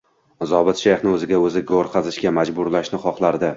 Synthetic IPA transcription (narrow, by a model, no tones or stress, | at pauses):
zɒbɪt̪ʃejχnɪɵzɪɡʲaɵzɪɡoɾqʰɑzɪʃɡʲamad͡ʒbʊɾlaʃnɪχɒqlˠaɾd̪ɪ